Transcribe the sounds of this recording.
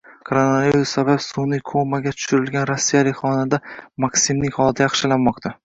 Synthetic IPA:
kʰoɾonaviɾusːabapsunɪkʰomaɡʲat̪ʰʊ̥ʃɪɾɪlɡʲanɾosːijalɪkʲχɒnad̪amaksɪmnɪŋʲχɒlˠd̪ajɑχʃɪlanmɒqt̪ʰa

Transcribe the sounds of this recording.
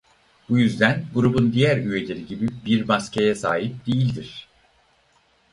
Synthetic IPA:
b̥ujyzd̪ænɡuɾubund̪ijæɾyje̞lʲe̞ɾiɟibibiɾmascʰejɛsaːɦip̚d̪̥ejilʲd̪iɾ̥

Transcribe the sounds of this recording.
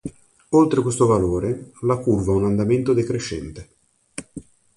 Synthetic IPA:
olt̪ɾekwest̪ovaloːɾelakurvaunand̪ament̪od̪ekɾeʃːɛ̰nt̪e

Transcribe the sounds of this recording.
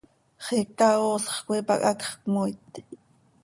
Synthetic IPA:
χekaosχkʷipɑ̰kʼakχkmojt̪

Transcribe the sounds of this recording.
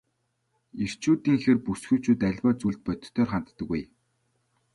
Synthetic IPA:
er̥t͡ɕuːt̪iːŋxerpusxujʰt͡ɕʰuːt̪æɮʲpaːt͡suɮt̪̚pœt̪̆ʰt̪ʰːœːrχant̪ːə̆kːuj

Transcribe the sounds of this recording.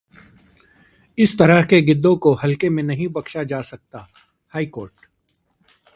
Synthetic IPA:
ɪst̪ɐɾəɦkeɡɪd̪ːõkoɦɐlkemẽnɐɦĩbɐkʃad͡ʒaːsɐk̚t̪aː | haːikoːɾʈ

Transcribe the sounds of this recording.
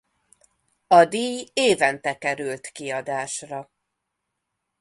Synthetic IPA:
ɒd̪iːjeːvɛnt̪ɛkɛɾylt̪kiɒd̪aːʃrɒ

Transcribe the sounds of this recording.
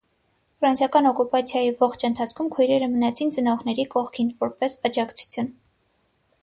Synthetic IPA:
fɾɑnsjɑkɑnɔkupɑt͡sʰjɑjivɔχt͡ʃʰənt̪ʰɑt͡sʰkʰumkʰujɾɛɾəmənɑt͡sʰint͡sənɔʁnɛɾikɔχkʰinvɔɾpɛsɑd͡ʒɑkt͡sʰu̥t͡sʰjun

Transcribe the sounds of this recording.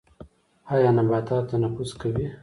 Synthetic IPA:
hajanabaːt̪aːt̪anapuskawi

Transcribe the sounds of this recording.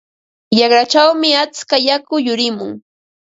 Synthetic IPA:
jɑχɾat͡ʃawmɪat͡skajakʊjʊɾɪmʊŋ

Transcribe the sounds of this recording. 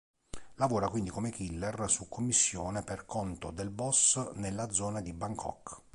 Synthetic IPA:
lavɔːɾakwind̪ikomekilːersukʰːomːisːjɔːneperkʰɔnt̪od̪elbɔsnelːad̪zːɔːnad̪ibaŋkʰɔ̰k

